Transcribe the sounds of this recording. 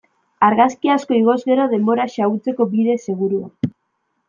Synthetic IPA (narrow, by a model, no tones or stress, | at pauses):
aɾɣaskiasko̞iɣ̞o̞zɣe̞ɾo̞ðe̞mbo̞ɾaʃaɣut͡se̞ko̞biðe̞se̞ɣ̞uɾua